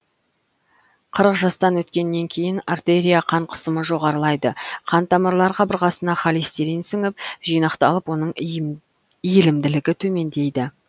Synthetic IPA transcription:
qʰəɾəqʒɑst̪ɑnwɵt̪kʲe̞nːe̞ŋkʲʰe̞jɪnart̪eɾʲijaqʰɑɴqʰə̥səməʒo̞ʁɑɾəlˠɑjd̪əqʰɑnt̪ʰɑməɾlˠɑɾqʰɑbəɾqɑsənɑχɑlist̪eɾensɪŋɪpʒijnɑqt̪ɑlˠəpwo̞nəɴ | ijɪlɪmd̪ɪlɪɡʲɪt̪ʰɵme̞nd̪e̞jd̪ɪ

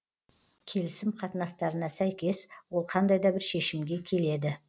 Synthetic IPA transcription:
kʲʰe̞lɪsɪmqʰɑt̪ənɑst̪ɑɾənɑsæjkʲe̞swo̞lˠqʰɑnd̪ɑjd̪ɑbɪɾʃe̞ʃɪmɡʲe̞kʲʰe̞le̞d̪ɪ

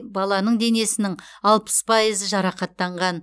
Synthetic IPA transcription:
bɑlˠɑnəɴd̪e̞ne̞sɪnɪŋɑlˠpə̥spʰɑjizəʒɑɾɑqɑt̪ːɑɴʁɑn

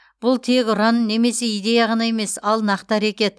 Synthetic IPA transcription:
b̥ʊlˠt̪ʰe̞kʲʊɾɑnːe̞me̞se̞ijd̪e̞jaʁɑnɑe̞me̞sɑlˠnɑqt̪əæɾekʲe̞t̪

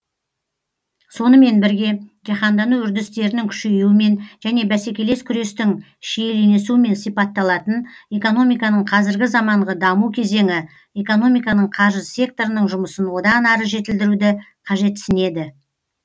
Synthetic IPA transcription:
so̞nəme̞nbɪɾɡʲe̞ʒɑχɑnd̪ɑnuʏɾd̪ɪst̪e̞ɾɪnɪŋkʲʰʏ̥ʃe̞juɪme̞nʒæne̞bæse̞kʲe̞le̞skʲʰʏɾe̞st̪ɪŋ | ʃejelene̞suɪme̞nsijpɑt̪ːɑlˠɑt̪əne̞ko̞no̞mijkɑnəɴqʰɑzɪɾɡʲɪzɑmɑɴʁəd̪ɑmukʲʰe̞ze̞ŋɪ | e̞ko̞no̞mijkɑnəɴqʰɑʒəzsʲe̞k̚t̪o̞ɾənəɴʒʊməsənwo̞d̪ɑnɑɾəʒe̞t̪ɪld̪ɪɾud̪ɪqʰɑʒe̞t̪sɪne̞d̪ɪ

